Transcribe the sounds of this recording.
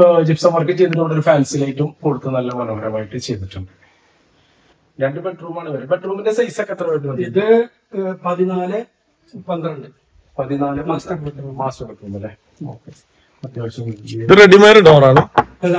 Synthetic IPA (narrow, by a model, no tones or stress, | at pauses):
d͡ʑipsɐmɐrkːɨt͡ɕːejt̪ːunːoːɽo̞ɾufaːnsilaːjitːumkoɽut̪ːɐnɐlːɐmɐlɐbɐɾɐmaːjiʈːɨt͡ɕe̞jt̪iʈːuɳɖɨ | ɾeɳɖɨbe̞ʈruːmaːɳɨʋɐɾubeʈruːmindesɐjsɐkːɐt̪ːrɐmaːjiʈːɨmɐd̪iiðɨ | pɐðinaːlɨ | pɐnd̪ɾɐɳɖɨ | pɐðinaːlɨmaːskɐʈːmaːsɐɽɐkːunːɐlːe | oːke | ɐt̪jaːʋɕɐmiðɨreɽimeːɾɨɖoːraːɳɨ